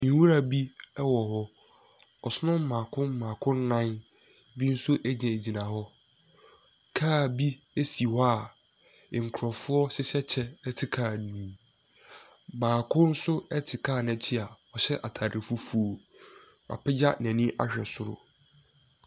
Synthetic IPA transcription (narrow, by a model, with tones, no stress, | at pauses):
n̩˦wu˦ɾa˦bi˦ɛ˦wɔ˨ɦɔ˦ | ɔ˨sʊ˦nʊ̃˦m̩˦mãː˨kʰʊ̃˦m˦mãː˨kʰʊ̃˦n̩˦nã˦n | bi˦n̩˦sʊ˦ʔæ˦ɲɛ̃˨e˨d͡ʑi˨nã˨hɔ˦ | kʰaː˦˨bi˦ | e˦si˨hɔ˦a˦˨ | ŋ̩˨kʰʊ˨ɾɔ˨fʊ˦ɔ˦ɕɪ˦ɕɛ˦t͡ɕʰɛ˦ɛ˦tʰɪ˨kʰaː˦˨nũ˨˦ | mãː˨kʰʊ̃˦n̩˦sʊ˦ɛ˦tʰɪ˨kʰaː˦˨nɛ̃˨t͡ɕʰɪ˦a˨ɔ˨ɕɛ˦ʔa˨tʰaː˨ɾɪ˨fu˦fu˦˨o˨ | a̰˨pʰɪ˦d͡ʑa˦nɛ̃˨nĩ˦ʔa̰˦ɕᶣɛ˨sʊ˦ɾʊ̰˨